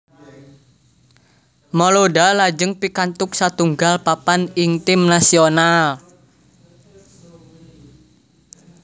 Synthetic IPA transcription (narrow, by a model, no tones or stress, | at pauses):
mɔloɖalad͡ʒəŋpikant̪ʊk̚sat̪uŋɡalpapanɪŋt̪ɪmnasional